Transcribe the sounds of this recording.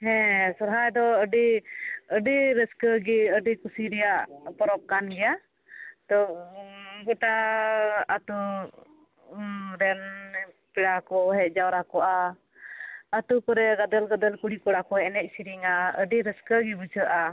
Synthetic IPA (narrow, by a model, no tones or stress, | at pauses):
hɛ̃sɔɾɦajd̪ɔəɖiəɖiɾəskəɡiəɖikusiɾɛjaʔpɔɾɔp̚kanɡɛja | t̪ɔ | bɔʈa | at̪u | ɾɛn | piɽakɔɦɛc̚ˀd͡ʒawɾakɔʔa | at̪ukɔɾɛɡad̪əlɡad̪əlkuɽikɔɽakɔɛnɛc̚ˀsiɾiŋaəɖiɾəskəɡibut͡ʃʰəʔa